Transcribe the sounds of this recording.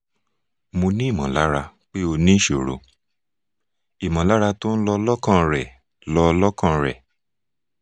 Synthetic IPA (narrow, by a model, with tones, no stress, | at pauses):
mõ˧nĩ˦i˦˨mã˨la˦ɾa˧k͡pe˦o˧nĩ˦ʃo˨ɾo̰˨ | i˨mã˨la˦ɾa˧to˦n̩˦lɔ˧lɔ˦kã˦˧ɾɛ˨ | lɔ˧lɔ˦kã˧ɾɛ̰˨